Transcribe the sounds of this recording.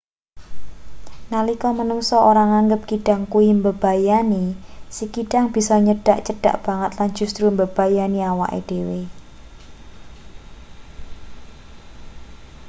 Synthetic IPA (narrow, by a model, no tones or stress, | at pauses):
nalikɔmənuŋsɔʔoɾaŋaŋɡəp̚kiɖ̥a̤ŋkuimbəb̥ajanisikiɖaŋb̥isɔɲəɖ̥aʔt͡ʃəɖ̥a̤̰ʔb̥aŋət̪land͡ʒ̥ṳst̪ɾumbəb̥ajaniawa̰ʔḛɖ̥e̤we